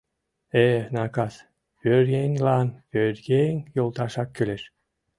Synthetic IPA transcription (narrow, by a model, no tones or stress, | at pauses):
enɑkɑs | pøɾjeŋlɑnpʲøɾɡeŋjolˠt̪ɑʃɑkːøleʃ